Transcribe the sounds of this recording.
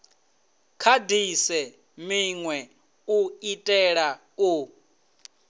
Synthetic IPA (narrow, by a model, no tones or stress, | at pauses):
kʰadisɛ | miŋwɛ | uitʼɛɺa | u